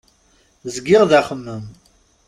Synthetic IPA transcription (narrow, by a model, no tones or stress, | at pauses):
zəɡːɪʁðæχəmːəm